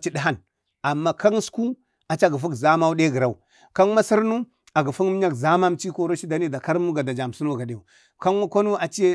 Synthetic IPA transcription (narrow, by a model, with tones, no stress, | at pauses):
t͡ʃi˦di˦ɦa˦n | a˨mːa˦ka˦ŋ˦sku˦ | a˨t͡ʃa˦˨ɡi˨fu˦kza˦ma˦u˦de˦ɡə˨ɾa˦˨u˨ | ka˦ŋma˦si˦ɾnu˦ | a˨ɡi˨fu˦ŋ˦m˦ɲa˦kza˦ma˦m˦t͡ʃi˦ko˦ɾo˦ʃi˦da˨ni˦da˨ka˦ɾmu˦ɡa˨da˨d͡ʒa˨m˨su˦no˦˨ɡa˨de˨u˨ | ka˦ŋma˦ko˦nu˦a˨t͡ʃe˦